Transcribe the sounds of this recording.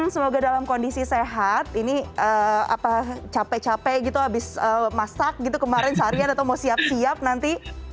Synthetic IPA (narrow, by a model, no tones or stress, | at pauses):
səmoɡadalamkondisiseɦat̪̚iniʔəːa̰pat͡ʃapɛt͡ʃapɛɡit̪uabɪsəːmasak̚ɡit̪ukəmaɾɪnsaɾianat̪awmawsiap̚siap̚nant̪i